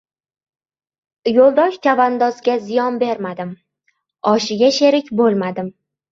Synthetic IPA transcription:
jolˠd̪ɒʃt͡ʃ̪ʰavand̪ɒzɡʲazɪjɒnbe̞ɾmad̪ɪm | ɒʃɪɡʲaʃe̞ɾɪkʲbolˠmad̪ɪm

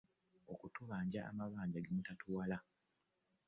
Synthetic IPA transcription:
okutuβaːɲɟa̰ːmaβaːɲɟaɡemutatuwala

